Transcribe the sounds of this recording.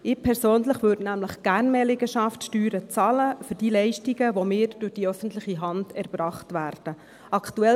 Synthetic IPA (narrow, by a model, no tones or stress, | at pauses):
ɪpʰɛɾsoːnləχʋʏːdnæmləχɡ̥æːrnmɛlɪɡəʃɑftʃtyːɾət͡sɑːləfʏɾd̥iːlɛɪʃtiɡəʋomɪːɾd̥ʊχd̥iœfən̩tləχiɦɑndɛɾb̥rɑːχtʋæːɾd̥ə | ɑktuɛ